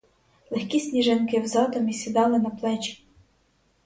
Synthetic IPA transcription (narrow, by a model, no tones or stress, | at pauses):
lˠexkʲisʲnʲiʒenkɪwzɑd̪ɔmisʲid̪ɑlˠɪnɐplˠɛt͡ʃi̥